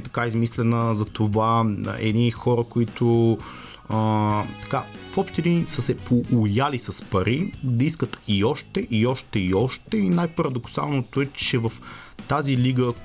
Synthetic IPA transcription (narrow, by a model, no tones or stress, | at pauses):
t̪ɐkaizmislɛnəzɐt̪ova̰ɛ̰d̪nixɔɾəkoit̪o | t̪ɐ̥kafɔpʃt̪ːɛd̪insəsɛpoʔʊjalisɐspɐɾid̪ɐiskət̪iɔʃt̪ɛʔiɔʃt̪ɛiɔʃt̪ɛinajpɐɾɐd̪oksa̰lˠnot̪oɛt͡ʃɛvɐft̪aziliɡə